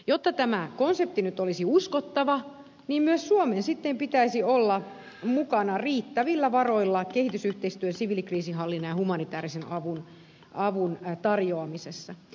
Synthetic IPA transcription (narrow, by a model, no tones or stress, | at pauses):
jot̪ːɑt̪æmækonsep̚t̪inyt̪olisiuskot̪ːɑʋɑ | niːmmyøssuomensit̪ːempit̪æisiolːɑ | mukɑnɑriːt̪ːæʋilːæʋɑroilːɑkehit̪ysyht̪eist̪yøsiʋilikriːsiɦɑlːinːɑjɑhumɑnit̪æːɾisenɑʋun | ɑʋunt̪ɑrjoɑmisesːɑ